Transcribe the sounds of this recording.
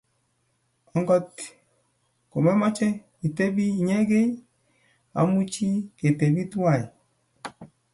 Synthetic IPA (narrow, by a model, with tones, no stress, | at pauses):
ɔ˨ŋɡɔ˦t | ko˨mɛ˦ma˦t͡ʃɛ˦ | i˨te˦bi˦˨ɲɛ˦ɡe˦ | a̰˨˦mu˦t͡ʃi˦ke˨te˨bi˦tu˦a˦˨i˨